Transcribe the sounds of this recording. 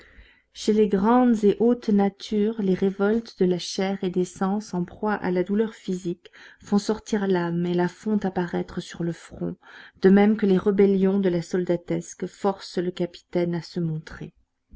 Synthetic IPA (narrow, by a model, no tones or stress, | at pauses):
ʃeleɡʁɑ̃d̪zeʔot̪nat̪ʰyʁleʁevɔlt̪d̪əlaʃɛʁed̪esɑ̃sɑ̃pχwaʔa̰lad̪ulœʁfizikfɔ̃sɔʁt̪iʁlamelafɔ̃t̪apaʁɛt̪χəsyʁləfχɔ̰̃d̪̥əmɛmkəleʁəbɛljɔ̃d̪əlasɔld̪at̪ɛskfɔʁsləkapi̥t̪ɛnasəmɔ̃t̪χḛ